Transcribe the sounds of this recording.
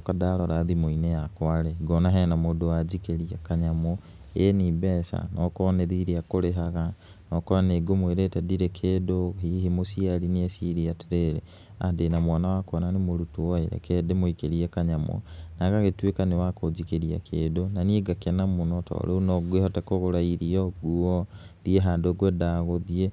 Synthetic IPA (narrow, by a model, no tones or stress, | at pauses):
kadaɾɔɾaðimoinejakwaɾeɡɔnaɦɛnamoːdowazikeɾiakaɲamɔ | enibɛːsa̰nɔkɔneðiɾiakoɾeɦaɣa | nɔkɔɾaneɡomweɾetɛdiɾekʰeːdohihemosiaɾiniesiɾiateɾeːɾḛ | a̰ndenamwanawakɔnanemoɾutuaeɾɛ̰kʰɛdemoikeɾiɛkaɲamɔ̰naɣaɣetwekanewakozikeɾia̰kʰeːdonanieɡakɛnamonɔtʰɔ̰ːɾʔɛunɔɡuehɔtakɔɣoɾaiɾiɔɡuɔ | dieɦandoɡɛdaːɣoðie